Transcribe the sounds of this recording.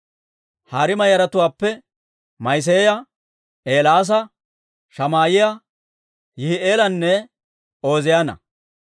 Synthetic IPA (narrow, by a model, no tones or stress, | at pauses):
haːɾɪmɐjɐɾɐt̪ʊwaːpːɛ | mɐjs̬eːjɐ | ʔeːlaːs̬ɐ | ʃɐmaːjɪjɐ | jɪhɪʔeːlɐnːɛ | o̞ːzɪjanɐ̰